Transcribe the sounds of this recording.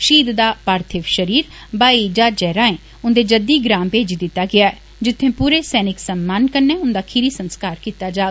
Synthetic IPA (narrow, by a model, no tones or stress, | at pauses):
ʃiːd̪d̪aːpaːɾt̪ʰɪʋʃəɾiːɾ | baːid͡ʒaːd͡ʒɛːɾãːẽː | ʊnd̪eːd͡ʒəd̪iːɡɾãːmpeːd͡ʒid̪ɪt̪ːaːɡɪaːɛː | d͡ʒɪt̪ʰːẽːpuːɾeːsɛːnɪksəmːaːnkəɾneːʊnd̪aːkʰiɾiːsənskaːɾkiːt̪ːaːd͡ʒaː